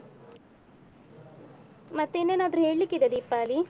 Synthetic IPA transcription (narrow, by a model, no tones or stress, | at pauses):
mɐt̪ːuenːenaːd̪ɐɾuɦeːɭɭikːid̪ed̪iːpːaːli